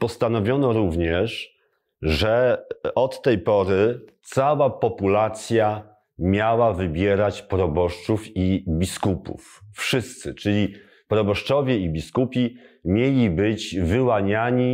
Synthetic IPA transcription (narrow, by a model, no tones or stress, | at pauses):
pɔst̪anɔvʲjɔnɔɾuvɲɛʂ | ʐɛɔt̪ːɛjpɔɾɘt̪sawapɔpulat̪sʲja | mʲjawavɘbʲjɛɾat͡ɕpɾɔbɔʂt͡ʂufibʲiskupṵffʂɘst̪sɘt͡ʂɘlʲi | pɾɔbɔʂt͡ʂɔvʲjɛibʲiskupʲi | mʲjelʲibɘt͡ɕvɘwaɲaɲi